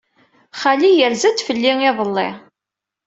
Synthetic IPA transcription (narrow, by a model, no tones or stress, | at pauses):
χælijəɾzæt͡s̪ːfəlːiŋɪðˤəlːi